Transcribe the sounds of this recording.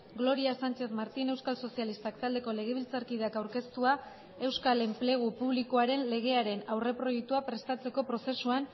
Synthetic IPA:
ɡlo̞ɾiasant͡ʃe̞θmaɾt̪ine̞wskalso̞sialist̪akt̪ald̪e̞ko̞le̞ɣ̞e̞β̞ilt͡saɾkið̞e̞akawɾke̞st̪ua | e̞wskale̞mple̞ɣ̞upuβlikoaɾe̞nle̞ɣe̞aɾe̞nawre̞pɾo̞jek̚t̪uapɾe̞st̪at͡se̞ko̞pɾo̞se̞suan

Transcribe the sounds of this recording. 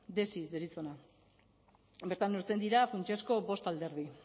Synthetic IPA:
d̪e̞sid̪eɾit͡sona | beɾt̪anuɾt͡se̞nd̪iɾafunt͡ʃesko̞bo̞st̪ald̪e̞ɾð̞i

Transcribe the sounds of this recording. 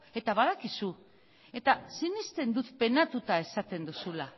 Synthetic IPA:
e̞t̪aβaðakisu | e̞t̪asinist̪e̞nd̪ut̪pe̞nat̪ut̪ae̞sat̪e̞nd̪usula

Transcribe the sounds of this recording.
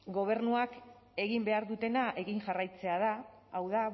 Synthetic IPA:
ɡo̞β̞e̞ɾnuak | e̞ɣimbe̞aɾðut̪e̞naʔe̞ɣiŋʝarajt͡se̞aðaː | wða

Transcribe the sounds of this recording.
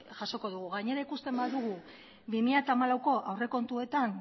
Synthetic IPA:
ʝaso̞ko̞ðuɣ̞uɣaɲe̞ɾaikust̪e̞mbaðuɣ̞u | bimiʎat̪amalawko̞ʔawre̞ko̞nt̪ue̞t̪an

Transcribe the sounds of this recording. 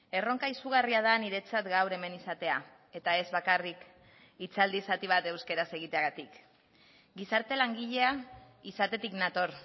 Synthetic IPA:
e̞ro̞ŋkaisuɣ̞ariað̞aniɾe̞t͡sat̪ɡawɾe̞me̞nisat̪e̞a | e̞t̪ae̞zβakarik | it͡sald̪isat̪iβ̞at̪e̞wske̞ɾase̞ɣ̞it̪eaɣat̪ik | ɡisaɾt̪e̞laŋɡiʎe̞a | isat̪e̞t̪iknat̪o̞ɾ

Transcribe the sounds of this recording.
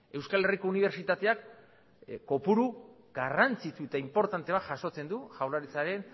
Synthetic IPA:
e̞wskale̞riko̞uniβ̞e̞ɾt͡ʃit̪at̪e̞akː | o̞puɾu | ɡarant͡sit̪ue̞t̪aimpo̞ɾt̪ant̪e̞βat̪ʝaso̞t͡se̞nd̪uʝawlaɾit͡saɾe̞n

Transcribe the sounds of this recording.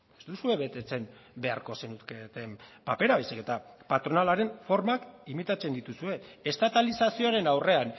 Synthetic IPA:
est̪usue̞βe̞t̪e̞t͡se̞mbe̞aɾko̞se̞nut̪ket̪e̞mpape̞ɾaβejsike̞t̪apat̪ɾo̞nalaɾe̞ɱfo̞ɾmakimit̪at͡send̪it̪usue̞est̪at̪alisasio̞aɾe̞nawre̞an

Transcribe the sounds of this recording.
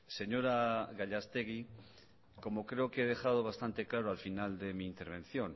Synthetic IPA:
se̞ɲo̞ɾaɣaʎast̪e̞ɣi | ko̞mo̞kɾe̞o̞keeð̞e̞xað̞o̞βast̪ant̪e̞klaɾoalfinald̪e̞miːnt̪e̞ɾβ̞ẽ̞nθjo̞n

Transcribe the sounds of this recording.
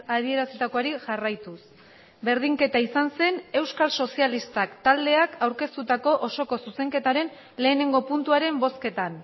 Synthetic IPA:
aðie̞ɾaset̪akoaɾiʝarajt̪us | be̞ɾðiŋke̞t̪aisanse̞ne̞wskalso̞sialist̪akt̪ald̪e̞akʰawɾke̞st̪ut̪ako̞ʔoso̞ko̞suse̞ŋke̞t̪aɾe̞n | le̞ːne̞ŋɡo̞punt̪uaɾe̞mbo̞ske̞t̪an

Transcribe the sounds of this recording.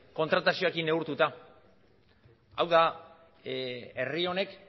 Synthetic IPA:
ko̞nt̪ɾat̪asio̞ekineuɾt̪ut̪a | awða | e̞rio̞ne̞k

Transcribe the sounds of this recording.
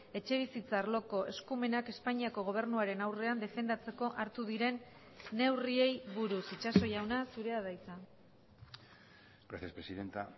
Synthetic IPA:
e̞t͡ʃe̞β̞isit͡saːɾlo̞ko̞ʔe̞skume̞nake̞spaɲiako̞ɣ̞o̞β̞e̞ɾnuaɾe̞nawre̞and̪e̞fe̞nd̪at͡se̞ko̞ʔaɾt̪uðiɾe̞nː | e̞wrie̞jβuɾusit͡ʃaso̞jawnasuɾe̞aðajt͡sa | ɡ̥ɾaθjespɾesiðent̪a

